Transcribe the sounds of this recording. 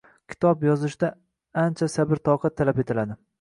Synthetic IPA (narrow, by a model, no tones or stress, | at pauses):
kʲʰɪ̥t̪ʰɒpjɒzɪʃd̪a | ant͡ʃʰasabɪɾt̪ʰɒwqʰɑt̪ʰːalape̞t̪ʰɪlad̪ɪ